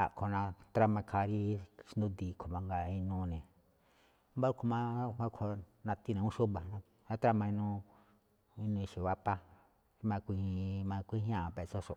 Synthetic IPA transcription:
a̰˨kʰo˨nã˧t̪ɾa˦mã˧kʰa˧ɾi˦ʃnd̪ũ˦d̪i˧˨kʰo˨mã˧ŋɡa˧ĩ˧nũ˧nẽ˨ | mba˦kʰo˧mã˦˧hã˦kʰo˧nã˧t̪i˦˧nã˧ũ˦ʃu˦βa˧nã˧ | hã˦t̪ɾa˦mã˧ĩ˧nũ˧ | i˧nũ˧ʃe˨βa˦pa˦ | i˧˦mã˧kʷi˧mã˧kʷi˦ɦã˦˨pe˧˨so˦ʂo˨

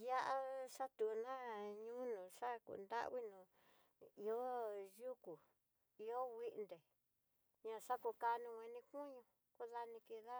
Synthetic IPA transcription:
ja˦ʔa˦ʂa˦t̪u˨˧nã˦ɲũː˦nũː˨ʂa˦kṵ˨nd̪a̰˦ʔβi˦nũ˨ | i˧o˦ju˦ku˨ | i˧o˦wi˦ʔnd̪e˨ | ɲã˧ʂa˦ku˧ka˧nũ˧wʷẽ˧nĩ˧ku˦ɲũ˧ | ko˦ða˧nĩ˧ki˧ða˦

